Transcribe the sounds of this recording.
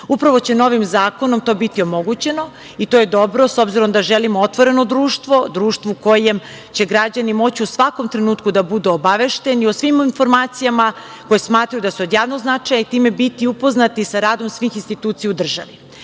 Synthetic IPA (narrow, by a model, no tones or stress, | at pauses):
upɾaʋo̞t͡ɕe̞no̞ʋimzaːko̞no̞mt̪o̞ːbit̪io̞mo̞ɡut͡ɕe̞no̞ | it̪oje̞d̪o̞bɾo̞so̞bziɾo̞md̪aʒelimoot̪ʋo̞ɾe̞no̞d̪ɾuːʃt̪ʋo̞d̪ɾuːʃt̪ʋouko̞jem | t͡ɕe̞ɡɾad͡ʑanimo̞t͡ɕiusʋako̞mt̪ɾe̞nuːt̪kud̪abud̪uobaʋe̞ʃt̪e̞nio̞sʋimoinfo̞ɾmaːt̪sijama | ko̞jesmaːt̪ɾajud̪asuod̪jaːʋnoznat͡ʂajait̪iːme̞bit̪iupo̞znat̪isaɾaːd̪o̞msʋiːxinst̪it̪uːt̪sijaud̪r̩ʒa̰ʋi